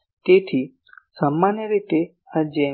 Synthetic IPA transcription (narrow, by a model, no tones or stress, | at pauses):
t̪et̪ʰi | samːanjəɾit̪e | ad͡ʒe